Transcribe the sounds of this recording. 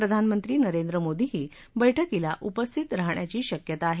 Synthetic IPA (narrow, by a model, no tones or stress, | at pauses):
ɾəd̪ʱanmənt̪ɾiːnəɾend̪ɾəmod̪ʱiɦiː | bəjʈʰəkilaʔupəst̪ʰit̪ɾaɦɳjat͡ɕiːɕəkjət̪aːɦe